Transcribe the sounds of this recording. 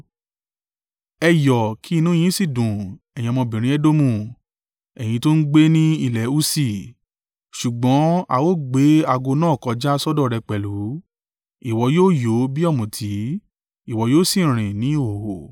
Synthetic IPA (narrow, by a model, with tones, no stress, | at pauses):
ɛ˧jɔ˨kʰi˨˦˧nũ˨˦j̃ĩ˨˦si˦˨dũ˨ɛ˨jĩ˧ɔ˧mɔ̃˧bĩ˨ɾ̃ĩ˨˦ɛ˦do˦mũ˦˧˨ | ɛ˨j̃ĩ˧to˦n̩˦ɡ͡be˦nĩ˦i˦˨lɛ˨˦u˦si˦˨ | ʃu˨ɡ͡bɔ̃˨˦a̰˦˨wo˦˨ɡ͡be˨˦a˧ɡo˧nãː˦˨kɔ˧d͡ʒa˦sɔ˦dɔ˦˨ɾɛ˧k͡pɛ˨lu˨˦ | i˨wɔ˧joː˦˨jo˨˦bi˦ɔ˦˨mũ˨tʰi˨˦ | i˦˨wɔ˨˧joː˦˨sĩ˦˨ɾ̃ĩ˨nĩ˨˦o˦˨o˨